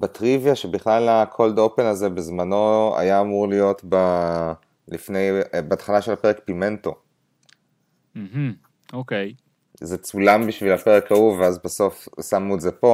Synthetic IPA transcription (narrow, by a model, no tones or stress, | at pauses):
batʁivjaʃebiχlalakʰo̞ldopenazebezmano̞a̰jaːmuʁlijo̞tba | lifne̞jbaːt̪χalaʃelhapeʁek̚pime̞nto̞ | m̩ɦ̩ | okej | zet͡sulambiʃvilapeʁekauveazbaso̞fsamnuezepo̞